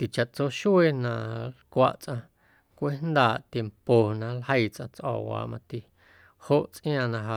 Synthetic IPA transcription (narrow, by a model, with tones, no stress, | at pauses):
t̪i˨t͡ʃa˨ʔt͡so˦ʃu˦e˦nã˧lkʷa̰˧ʔt͡sʔã˧ | kʷe˦nd̪aː˨ʔt̪je˧mpo˨nã˧lhə˦jt͡sʔã˧t͡sʔɔ̰ː˨wa̰ː˨mã˧t̪i˨ | ho˦ʔt͡sʔĩj̃ãː˧˨nã˧ɦa˧